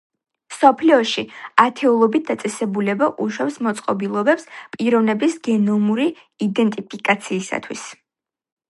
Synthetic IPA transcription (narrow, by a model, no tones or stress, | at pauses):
msɔpʰliɔʃiat̪ʰɛulˠɔbit̪̚d̪at̪sʼɛsɛbulɛbaʔuʃwɛpsmɔt̪sʼqʼɔbilˠɔbɛpspʼiɾɔvnɛbisɡɛnɔmuɾi | id̪ɛnt̪ʼipʰikʼat̪sʰiːsa̰t̪ʰwḭs